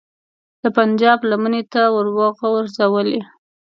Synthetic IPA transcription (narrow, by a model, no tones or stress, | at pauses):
d̪̥əpand͡ʒɑblamənet̪awəɾwɑɣawəɾzawəle